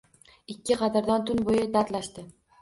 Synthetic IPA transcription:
ɪkʲːɪqʰɑd̪ɪɾd̪ɒnt̪ʰʊnbojɪd̪aɾt̪laʃt̪ɪ

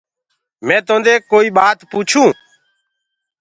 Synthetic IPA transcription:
mɛ̃ːt̪õːnd̪eːkoːiːɓaːt̪puːt͡ʃʰũː

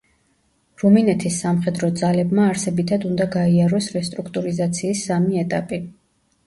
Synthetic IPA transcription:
ɾuminɛt̪ʰisːamχɛd̪ɾɔd̪zalɛbmaːɾsɛbit̪ʰad̪und̪aɡaiaɾɔsɾɛst̪ʼɾukʰt̪ʼuɾizat̪sʰiːsːamiɛt̪ʼapʼi

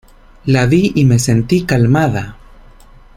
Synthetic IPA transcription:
laðiime̞se̞nt̪ikalmaða

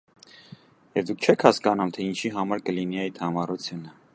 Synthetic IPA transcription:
jɛvd̪ukʰt͡ʃʰɛkʰhɑskɑnumt̪ʰɛint͡ʃʰiɦɑmɑɾkəliniɛit̪ʰɑmɑrut͡sʰjunə

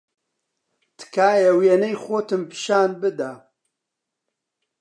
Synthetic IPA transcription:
t̪ʰɨ̥kʰaːjɛwjenejxoːt̪ɨmpɨ̥ʃaːnbɨd̪a

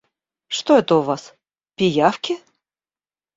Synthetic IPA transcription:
ʂt̪oɛt̪əʊvas | pʲɪjafkʲɪ

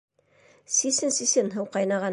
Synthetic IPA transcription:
sisɘnsisɘnɦɤwqɑjnɑʁɑ

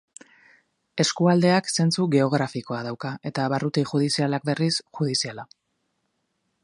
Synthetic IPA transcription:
e̞skuald̪e̞akse̞nt͡suɣe̞o̞ɣ̞ɾafiko̞að̞awkae̞t̪aβarut̪iʝuð̞isialak̚be̞risxuð̞isiala

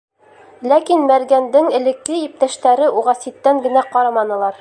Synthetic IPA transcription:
lækinmæɾɡænd̪ɘŋɘ̆lɘ̆kːɘip̚t̪æʃt̪æɾɘʔuʁɑsit̪ːæŋɡɘ̆næqɑɾɑmɑnɤ̆lˠɑɾ

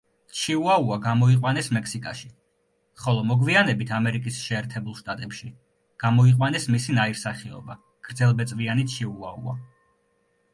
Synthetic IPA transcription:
t͡ʃʰiuauaɡamɔiqʼwanɛsmɛkʰsikʼa̰ʃi | χɔlˠɔmɔɡvianɛbit̪ʰamɛɾikʼisʃɛːɾt̪ʰɛbulˠʃt̪ʼat̪ʼɛpʃi | ɡ̥amɔiqʼwanɛsmisinaiɾsaχiɔ̰ba | ɡ̥ɾd̪zɛlˠbɛt̪sʼvianit͡ʃʰiua̰ṵa̰

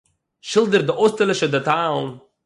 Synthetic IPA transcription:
ʃɪlˠdəɾdəʔostəlɪʃədətalˠn

